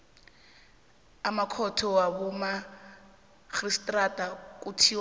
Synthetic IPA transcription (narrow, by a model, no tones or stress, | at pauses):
amakʰɔtʰɔwabʊma | k͡xristʼratʼakʼutʰi